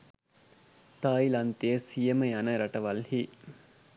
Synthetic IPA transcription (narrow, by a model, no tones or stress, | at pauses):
t̪aːilɐnt̪ejəsijəməjanəɾɐʈəʋɐlhi